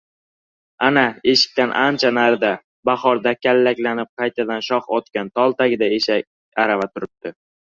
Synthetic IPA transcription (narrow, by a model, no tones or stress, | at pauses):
anae̞ʃɪ̥k̚ʲt̪anʔant͡ʃʰanaɾd̪a | baχɒɾd̪akʲʰalːakʲlanɪp̚qʰɑjt̪ʰad̪anʃɒχɒt̪kʲant̪ʰɒlˠt̪aɡʲɪd̪aeʃa | aɾavat̪ʰʊɾɪp̚t̪ɪ